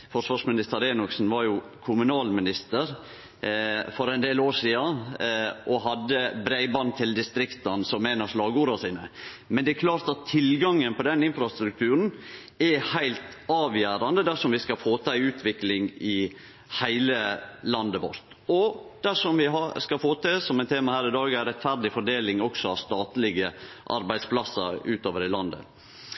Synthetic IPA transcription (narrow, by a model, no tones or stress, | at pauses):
fɔʂʋɑːʂmɪnɪst̪əɾeːnʊksn̩ʋɑɾjʊ | kʰʊmʉnɑːlmɪnɪst̪əɾ | fɔɾɛɪnd̪eːloːʂiːɑ | ʔɔɦɑd̪ːəbɾæɪbɑnt̪ʰɪld̪ɪst̪ɾɪkt̪ɑnsɔmːeːnəɾʂlɑːɡəuːɾəsiːnə̰ | mɛnd̪ɛɛkʰlɑːɾt̪ɑt̪ʰːɪlɡɑŋːənpʰɔd̪ɛnɪnfɾɑst̪ɾʉk̚t̪ʰʉːɾn̩ | ɛhæɪlt̪ɑːʋjæːɾɑnd̪əd̪æʂɔmʋɪskɑfoːt̪ʰəæɪʉːt̪ʰʋɪklɪŋɪ | hæɪləlɑnd̪əʋɔ̰ɾt̪ | ɔd̪̥æʂɔmʋɪɦɑskɑfoːt̪ɪsɔmæɪnt̪ʰeːmɑhæːɾɪd̪ɑːɡæɪɾɛt̪fæɾɖ̪ɪfɔɖeːlɪŋɔksɔɑʋst̪ɑːt̪lɪɡə | ʔɑ̰ɾbæɪd̪spʰlɑsːə̰ɾʉːt̪oːʋəɾɪlɑnd̪ə̰